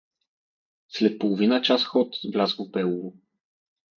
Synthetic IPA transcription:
slɛt̪̚polˠovinət͡ʃasxɔt̪vlʲazvopɛlˠulo

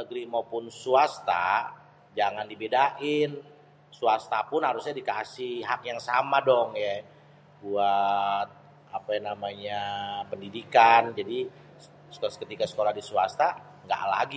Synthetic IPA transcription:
nəɡɾimapʊnsuast̪a̰ | d͡ʒaŋandibedaʔɪn | suast̪apʊnhaɾusɲadikasɪhɦakjaŋsamadɔŋjɛ | buat̪̚ | apanamaɲapəndidikand͡ʒadi̥ | kət̪ikasə̥kolahdisuast̪a | ŋɡa̰ʔla̰ɡi

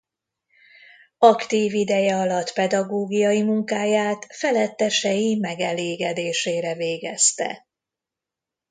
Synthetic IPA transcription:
ɒkt̪iːvid̪ɛjɛɒlɒt̪pɛd̪ɒɡoːɡijɒjimuŋkaːjaːt̪fɛlɛt̪ːɛʃɛjimɛɡɛleːɡɛd̪eːʃeːɾɛveːɡɛst̪ɛ̰

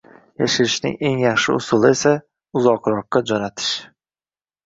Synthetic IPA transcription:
jaʃɪɾɪʃnɪ̰ŋe̞ŋjaχʃɪʊsʊlˠɪe̞sa | ʊzɒqɾɒqːad͡ʒɒnat̪ʰɪ̥ʃ

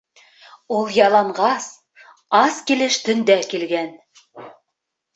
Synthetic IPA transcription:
ulˠjɑlˠɑɴʁɑs | ɑskilɘʃt̪ɵ̆nd̪ækilɡæn

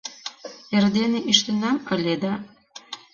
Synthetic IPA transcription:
erd̪eneʔiʃt̪ə̆nɑmə̆lʲed̪ɑ

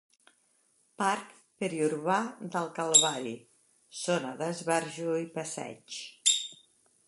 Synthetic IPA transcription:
paɾk | pəɾiuɾβad̪əlˠkalˠβaɾi | sonəðəzβɛɾʒuipəsɛ̰t͡ʃ

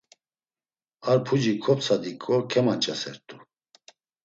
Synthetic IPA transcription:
aɾpʰud͡ʒikʰɔp̚t͡sʰad̪ikʼɔkʰɛmant͡ʃʼɛsɛ̰ɾt̪ʼu

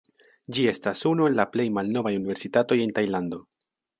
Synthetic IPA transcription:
d͡ʒie̞stasunue̞nlaple̞jmalno̞vajuniveɾsitato̞je̞ntajlando̞

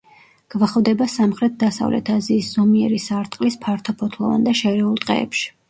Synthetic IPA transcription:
ɡ̥vaχvd̪ɛbasamχɾɛt̪̚d̪asa̰vlʔɛ̰t̪ʰaziːsz̥ɔmiɛɾisaɾt̪ʼqʼlispʰaɾt̪ʰɔpʰɔt̪ʰlˠɔ̰va̰nd̪aʃɛɾɛulˠt̪ʼqʼɛ̰ːpʃi̥

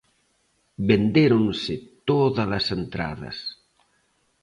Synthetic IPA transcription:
bend̪eɾonsɪt̪oðɐlɐsent̪ɾa̰ðɐ̰s

